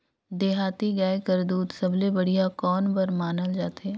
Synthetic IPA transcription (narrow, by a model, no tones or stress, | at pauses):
d̪eːɦaːt̪iɡɛːekəɾd̪uːt̪sɐblebɐɽ̤ijakɔːnbəɾmaːnəld͡ʒaːt̪ɛː